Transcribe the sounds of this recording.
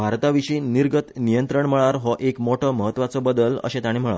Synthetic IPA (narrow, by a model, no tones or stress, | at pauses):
bʱaɾt̪aʋiɕiːniɾɡət̪nijənt̪ɾəɳməɭaɾɦɔʔekmoʈʰəːməɦət̪ːʋat͡səbəd̪ələ̰ɕẽt̪aɽ̃im̤əɭa̰